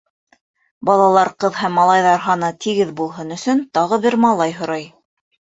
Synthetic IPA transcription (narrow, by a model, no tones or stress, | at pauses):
bɑlˠɑlˠɑɾqɤðhæmːɑlˠɑjðɑɾɦɑnɤt̪ʰiɡɘðbulˠɦɤnɵ̆sɵnt̪ɑʁɤβɘɾmɑlˠɑjɦŏɾɑj